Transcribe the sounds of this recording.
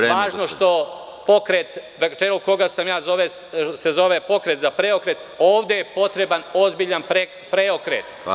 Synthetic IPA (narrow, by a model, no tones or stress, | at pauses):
ʋaːʒno̞ʃt̪o̞ | po̞kɾet̪ʋet͡ʃeluko̞ɡasamjaːzo̞ʋesezo̞ʋepo̞kɾe̞t̪zapɾeo̞kɾe̞t̪ | o̞ːʋd̪e̞je̞po̞t̪ɾe̞bano̞zbiʎanpɾe | pɾeokɾḛt̪